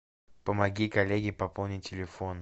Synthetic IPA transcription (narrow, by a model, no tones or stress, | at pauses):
pəmɐɡʲikɐlʲeɡʲɪpɐpolˠnʲɪtʲɪlʲɪfon